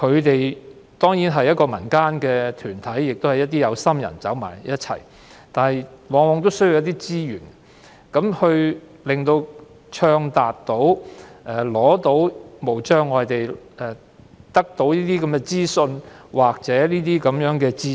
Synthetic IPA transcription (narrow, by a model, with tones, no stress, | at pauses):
kʰɵ˨˧ɥt̪e˨j | t̪ɔː˥ŋjiː˨˥nɦɐ˨jɐ˥t̚kɔː˧mɐ˨˩nkaː˥nkɛː˧t̪ʰyː˨˩nt̪ʰɐ˨˥jːɪ˨k̚t̪o˥whɐ˨˩jɐ˥t̚t̪iː˥jɐ˨˧wsɐ˥mjɐ̰˨˩nt͡sɐ˨˥wma̰ː˨˩jjɐ˥t̚t͡sʰɐ̰˨˩j | t̪aː˨nɦɐ˨jwɔː˨˧ŋwɔː˨˧ŋt̪̬o˥wsɵ˥ju˨˧wjɐ˥t̪i˥t͡siː˥jyː˨˩n | kɐ˨˥mhɵ˧ɥ | lɪ˨˩ŋt̪o˧w | t͡ʃʰœː˧ŋt̪aː˨t̚t̪o˨˥wʔɛː˨˩lɔː˨˥t̪o˨˥wmo˨˩wt͡ʃœː˥ŋːɔː˨˧jt̪e˨j | ɛ˨ | t̪ɐ˥k̚t̪o˨˥wniː˥t̪iː˥kɐ˨˦mkɛː˧t͡siː˥sɵ˧nwaː˨k̚t͡sɛː˨˥liː˥t̪iː˥kɐ˨˥mjœː˨˥ŋkɛː˧t͡siː˥